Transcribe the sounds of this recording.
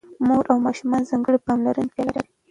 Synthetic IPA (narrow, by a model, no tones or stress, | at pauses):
moɾʔawmɑʃumɑnzɑŋɡəɽipɑmlaɾənpɑlaɾaɾi